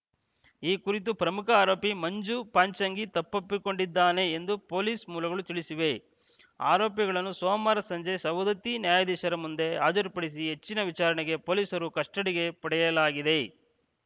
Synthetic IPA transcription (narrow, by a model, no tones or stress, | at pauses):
iːkuɾit̪upɾɐmukɐaːɾo̞ːpimɐɲd͡ʒupaːɲt͡ʃɐŋɡit̪ɐpːɐpːiko̞ɳɖid̪ːaːne̞ːnd̪upo̞ːliːsmuːlɐɡɐɭut̪iɭisiʋe̞ | a̰ːɾoːpjɐɣɐɭɐnːusoːmaːɾɐsɐɲd͡ʒesɐʋd̪ɐt̪injaːjɐd̪iːʃɐɾɐmund̪e̞aːd͡ʒɐɾipɐɽis̬iɦet͡ʃːinɐʋit͡ʃaːɾɐɳɛɡe̞poːliːsɐɾukɐʂʈɐɽiɡe̞pɐɽɛjɐlaːɡid̪e̞